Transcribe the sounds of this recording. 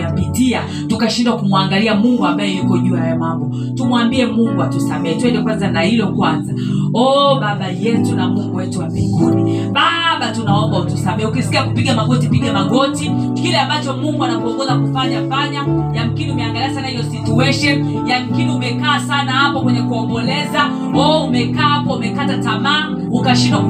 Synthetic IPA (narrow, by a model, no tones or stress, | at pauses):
pitia | tukaʃindwakumuaŋɡaliamuŋɡuambajɛjukɔʄuajamwambɔ | tumwambiɛmuŋɡuatusamɛhɛtwɛndɛkwanzanahilɔkwanza | ɔɓaɓajɛtunamuŋɡuɛtuwabiŋɡuni | ɓaɓatunaɔmbautusamɛɛukisi̥kiakupiɠamaɡɔtipiɠamaɠɔtikilɛambat͡ʃɔmuŋɡuanakuɔŋɡɔzakufaɲafaɲajam̩kiniumɛaŋɡaliasanahijɔsituɛʃɛn | jam̩kiniumɛkaːsanahapɔkwɛɲɛkuɔmbɔlɛza | ɔumɛkaːhapɔumɛkatatamaː | ukaʃinɔ